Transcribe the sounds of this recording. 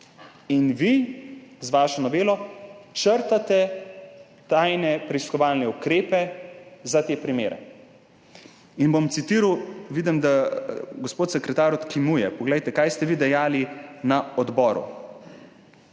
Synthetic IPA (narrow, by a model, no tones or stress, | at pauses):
inʋizʋaːʃɔnɔʋeːlɔt͡ʃəɾt̪at̪ɛ | t̪ajnɛpɾɛiskɔʋalnɛukɾeːpɛzat̪eːpɾimḛːɾɛ̰ | inbomt̪sit̪iːɾwʋid̪ɛmd̪aɡospoːt̪sɛkɾɛt̪aːɾɔt̪kimujɛpɔɡlɛjt̪ɛkaːjst̪ɛʋid̪ɛjaːlinaɔd̪bɔːɾṵ